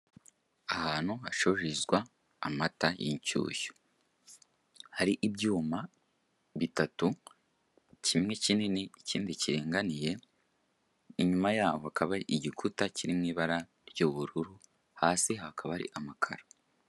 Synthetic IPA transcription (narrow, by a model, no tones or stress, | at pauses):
ahaːn̥huhaʃoɾizɡwaː | matajḭɲcṵːço̥ | haɾiʔibjuːma | βitatu | cʰimŋe̞cininiiciːndiciɾeːŋɡanije̞ | iɲumajaːhohakaβaɾiʔːɟikʰutaciɾimŋiːβaɾa | ɾjuːβuɾuɾu | haːsihakʰaβaɾḭʔamakʰa̰ɾḁ